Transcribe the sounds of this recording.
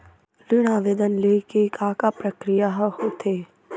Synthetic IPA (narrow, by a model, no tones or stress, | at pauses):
lɪɽ̃aːʋeːd̪ənleːkikaːkapɾəkɾijaɦhoːt̪ʰeː